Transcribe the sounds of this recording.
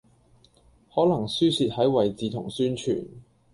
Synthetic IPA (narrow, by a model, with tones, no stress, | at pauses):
hɔː˨˥lɐ˨˩ŋsyː˥siː˧t̚hɐ˨˥jwɐ˨jt͡siː˨˧t̪ʰʊ˨˩ŋsyː˥nt͡ʃʰy̰ː˨˩n